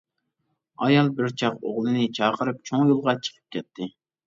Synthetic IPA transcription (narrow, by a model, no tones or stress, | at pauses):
ɑjɑlˠbɪɾt͡ʃʰɑqoʁlˠɨnɪt͡ʃʰɑːqʰəɾɨp̚t͡ʃʰoŋjolˠʁɑt͡ʃʰə̥qʰə̥p̚kʲʰɛt̪ʰːɪ